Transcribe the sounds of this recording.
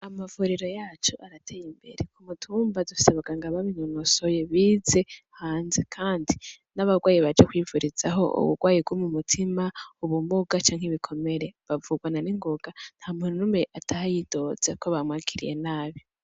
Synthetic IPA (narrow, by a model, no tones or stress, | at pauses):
amavuɾiɾo̞jaːt͡ʃoʔaɾatʰejimbe̞̰ɾekumutʰuːmbadusaβaɡaŋɡaβaβiɲonosoje̞βiːze̞haːnze̞kʰaːndi | naβaɡwaːjiβad͡ʒakwivuɾiz̥aɦo̞̰ṵβṵɡwaːjibɡwomumutʰimauβumuɡat͡ʃaːŋheβikʰo̞me̞ɾe̞βavuɡwananiŋɡoɡ̥an̥hamunumeʔatʰahajido̞z̥ekoβamwaːkʰiɾḭje̞̰naːβi